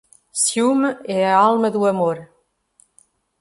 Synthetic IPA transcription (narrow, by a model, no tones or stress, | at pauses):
sjumealˠməd̪uəmoɾ